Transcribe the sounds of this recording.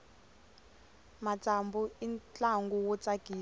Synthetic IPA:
mat͡sʼambuint͡ɬaŋɡuwɔt͡sʼaɡ̥ʱiː

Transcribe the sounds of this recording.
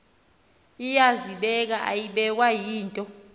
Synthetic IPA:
ijaziɓɛk̬aʔa̰jiɓɛk̬wajiːntʼɔ

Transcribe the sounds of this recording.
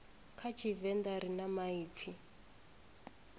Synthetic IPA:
kʰat͡ʃʰivɛnd̪aɾinamaiːp̪fʰi

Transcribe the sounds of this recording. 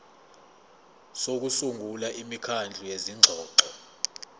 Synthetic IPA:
sok̬usuŋɡʱulaʔimikʰand͡ɮʱujeziŋ͡ǁʱɔːǃɔ

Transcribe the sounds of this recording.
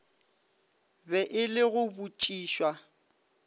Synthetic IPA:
bɛʔɪlɪɣʊbut͡ʃʼiːʃwa

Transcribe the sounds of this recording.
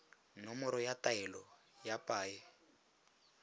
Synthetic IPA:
nɔmɔɾɔjataɛlɔ | japʼaːjɛ

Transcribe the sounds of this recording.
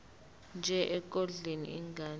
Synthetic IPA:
nd͡ʒʱɛʔɛk̬ʼɔɮenḭiŋɡaː

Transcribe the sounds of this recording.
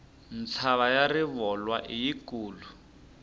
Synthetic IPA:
nt͡sʰaβajariβɔlwaʔijikuːlu

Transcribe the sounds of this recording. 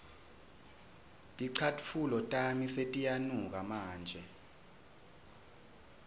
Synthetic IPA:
tʼiǀʰatʰʼfulɔtʼamisetʼijanuk̬amaːnd͡ʒʱɛ

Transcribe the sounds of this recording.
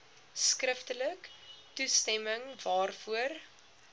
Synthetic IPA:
skrəftələktustɛməŋvɑːrfuər

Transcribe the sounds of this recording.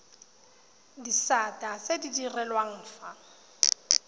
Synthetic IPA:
disatʼasedidirɛlwaŋ̩ːfa

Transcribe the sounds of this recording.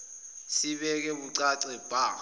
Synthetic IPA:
siɓɛk̬ɛɓuǀaǀɛb̥ʱaː

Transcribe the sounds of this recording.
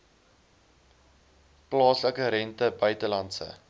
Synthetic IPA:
plɑːsləkəɾɛntəbœɥtəlɐntsə̰

